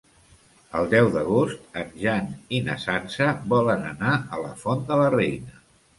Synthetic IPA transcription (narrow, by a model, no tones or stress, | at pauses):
əlˠd̪ɛwðəɣ̞ost̪ənʒaninəsansəbɔlənənaələfond̪ələrɛjnə